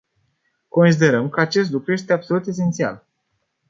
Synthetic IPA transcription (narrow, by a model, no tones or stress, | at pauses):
ko̞nsid̪e̞ɾəmkəat͡ʃe̞s̬t̪lukɾuje̞s̬t̪e̞abso̞lut̪e̞s̬e̞nt̪sia̰l